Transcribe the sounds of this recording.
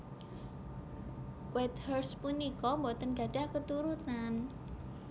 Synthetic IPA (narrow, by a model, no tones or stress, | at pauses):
kwɛt̪hərspunikɔmbot̪ənɡ̥ä̤ɖ̥a̤hkət̪uɾunan